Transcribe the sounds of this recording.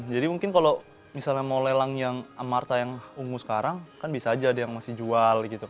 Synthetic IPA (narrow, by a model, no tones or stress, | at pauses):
d͡ʒadimuŋkɪnkalo | misalɲamolelaŋjaŋamart̪ajaŋuŋusə̥kaɾaŋkanbisaːd͡ʒaːdajaŋmasɪhd͡ʒualɡit̪uk